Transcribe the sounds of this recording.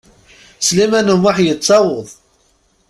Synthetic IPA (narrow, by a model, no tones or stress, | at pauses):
slimænumaħjət͡sˤːɑwəðˤ